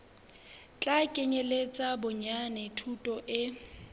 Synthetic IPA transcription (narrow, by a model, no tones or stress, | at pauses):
t͡ɬʼakʼɪɲelet͡sʼabʊɲanɛtʰutʼɔʔɪ